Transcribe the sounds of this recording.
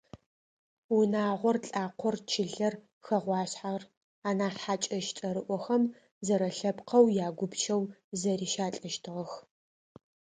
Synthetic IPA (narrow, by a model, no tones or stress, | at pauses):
wʊnaːʁʷɔrɬʼaːqʷʰɔrt͡ʃʰɪɮɐr | xɐʁʷɑːɕħar | aːnaːħaːt͡ʃʼɐʃt͡ʃʼɐɾɨʔʷɔxɐm | zɐɾɐɬɐpqʰɐwjaːɡʷʊbt͡ʃʰɐwzɐɾiːʃaːt͡ɬʼɐʃtʰɨʁɐx